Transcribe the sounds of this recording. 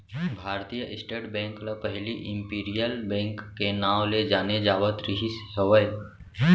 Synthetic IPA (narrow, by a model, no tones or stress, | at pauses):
bʱaːɾt̪ijəʔɪsʈeːʈbɛ̃ːŋklapəɦɪliʔɪ̃mpiːɾijəlbɛ̃ːŋkːenaːʋled͡ʒaːned͡ʒaːʋət̪ɾɪɦisɦəʋəj